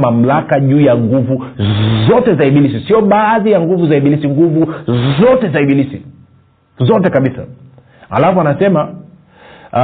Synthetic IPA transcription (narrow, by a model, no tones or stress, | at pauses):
mam̩lakaʄuːjaŋɡuvuzɔtɛzaiɓilisisiɔɓaːðijaŋɡuvuzaiɓilisiŋɡuvuzɔtɛzaiɓilisḭ | zɔtɛkaɓisa̰ | a̰lafɔanasɛma